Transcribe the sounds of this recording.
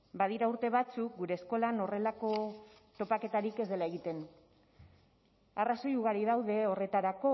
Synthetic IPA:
baðiɾauɾt̪e̞βat͡suk̚ɡuɾe̞ːsko̞lano̞re̞lako̞ | t̪o̞pake̞t̪aɾike̞zd̪e̞lae̞ɣ̞it̪e̞n | araso̞juɣ̞aɾiðawðe̞o̞re̞t̪aɾako̞

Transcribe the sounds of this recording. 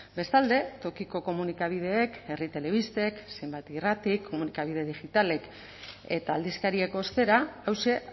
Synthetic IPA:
be̞st̪ald̪e̞t̪o̞kiko̞ko̞munikaβ̞ið̞e̞ːke̞rit̪e̞le̞β̞ist̪e̞ksejmbajt̪irat̪ikʰːo̞munikaβ̞ið̞e̞ðiɣit̪ale̞k | e̞̰t̪aːld̪iskaɾieko̞ːst̪e̞ɾaːwse

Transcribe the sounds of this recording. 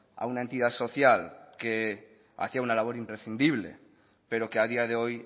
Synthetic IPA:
a̰unaent̪iðaso̞θjalke | a̰θiaunalaβ̞o̞ɾimpɾesθind̪iβ̞lḛ | pe̞ɾokeað̞iað̞eoj

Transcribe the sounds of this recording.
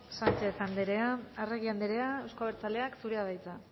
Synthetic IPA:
sant͡ʃe̞θand̪eɾeaareɣiand̪eɾe̞aewskoaβeɾt͡sale̞aksuɾeaβajt͡s̪a

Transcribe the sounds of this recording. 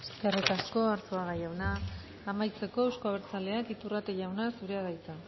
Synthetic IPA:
skeret̪asko̞aɾsuaɣajawnaː | majt͡se̞ko̞ewsko̞aβeɾt͡sale̞akit̪urat̪eʝawnasuɾe̞aðajt͡sa

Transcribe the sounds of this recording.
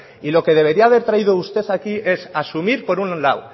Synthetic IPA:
ilo̞ke̞ð̞e̞βe̞ɾiaːβ̞e̞ɾt̪ɾaiðo̞ust̪e̞θakiʔe̞sasumiɾpo̞ɾunlaw

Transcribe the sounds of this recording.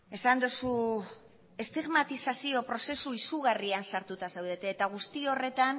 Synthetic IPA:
e̞sand̪usu | e̞st̪iɣmat̪isasio̞pɾo̞se̞suisuɣ̞ariansaɾt̪ut̪asewðe̞t̪eːt̪aɣ̞ust̪io̞re̞t̪an

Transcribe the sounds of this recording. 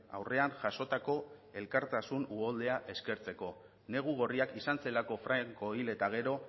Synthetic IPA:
a̰wre̞anʝaso̞t̪ako̞e̞lkaɾt̪asunuold̪e̞aʔe̞ske̞ɾt͡se̞ko̞ | ne̞ɣ̞uɣ̞o̞riakisanse̞lako̞fɾaŋko̞ile̞t̪aɣ̞e̞ɾo̞

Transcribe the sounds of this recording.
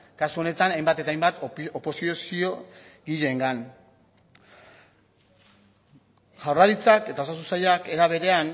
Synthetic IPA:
kasuo̞ne̞t̪anajmbat̪e̞ajmbat̪opo̞siosio̞ɡiʎe̞ŋɡan | ʝawraɾit͡sake̞t̪ao̞sas̬usajake̞ɾaβ̞e̞ɾe̞an

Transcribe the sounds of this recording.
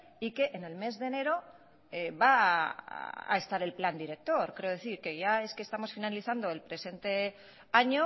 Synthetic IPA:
ike̞ʔːne̞lme̞zðe̞ne̞ɾo̞ | eβa̰ | a̰e̞st̪aɾe̞lpland̪iɾe̞k̚t̪o̞ɾkɾe̞oðe̞θiɾke̞ʝae̞skest̪amo̞sfinaliθand̪o̞e̞lpɾe̞se̞nt̪e̞ | aɲo̞

